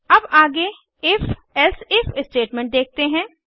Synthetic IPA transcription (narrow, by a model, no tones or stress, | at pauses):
ɐbaːɡe | ɪf | ɛlsɪfɪsʈeːʈmɛ̃ːɳʈ̚d̪eːk̚t̪eɦɛ̃ː